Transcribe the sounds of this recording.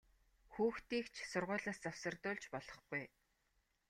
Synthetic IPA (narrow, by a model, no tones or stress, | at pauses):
xuːxt̪iːkt͡ɕʰsʊrʁʊːɮaːst͡sawsə̆rt̪ʊːɮt͡ɕpɔɮɞ̥̆χɡ̥uj